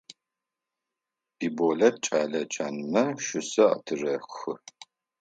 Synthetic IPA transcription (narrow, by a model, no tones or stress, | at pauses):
biːboɮɐt̚t͡ʃʼaːɮɐt͡ʃʰʼaːnɨnɐʃʊsɐʔɐ̰tʰɨrɐxɨ